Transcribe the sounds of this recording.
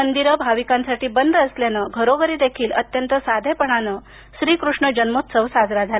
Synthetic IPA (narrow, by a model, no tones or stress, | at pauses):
ənd̪iɾəbʱaʋikãnsaʈiːbənd̪ʱəəsljanəɡʱəɾoʋəɾiːd̪ekʰiːlət̪jənt̪əsad̪ʱepəɳanə | ɕɾiːkɾuʂɳəd͡ʑənmot̪səʋsad͡zɾad͡zʱal